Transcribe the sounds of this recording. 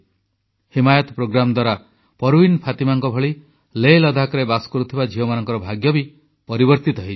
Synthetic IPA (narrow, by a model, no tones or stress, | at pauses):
himajɔt̪ɔpɾoɡɾamɔd̪waɾa | pɔɾuwinpʰat̪imaŋkɔbʱɔɭi | lelɔd̪ʱakɔɾebaskɔɾut̪ʰibad͡ʒʱiɔmanɔŋkɔɾɔbʱaɡjɔbi | pɔɾibɔɾt̪it̪ɔɦi